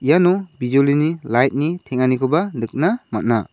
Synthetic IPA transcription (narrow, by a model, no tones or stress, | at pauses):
ijanɔbʱizɔlinilajt̚nitʰeŋanikʰɔbandɯk̚namat̚na